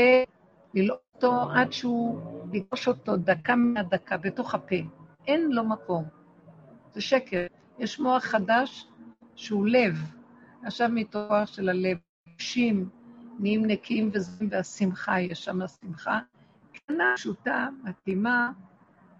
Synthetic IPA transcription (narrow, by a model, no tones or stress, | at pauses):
e | lilotoʔadʃeuliɡʁoʃo̞to̞dakameadakabeto̞χapeʔenlo̞mako̞m | zeʃekeʁ | jeʃmo̞aχχadaʃː | eule̞v | aχʃavmitooaχʃe̞lalev | uʃimniimnekʰimvezimveasimχajeʃamasimχa | kanaʃutamatima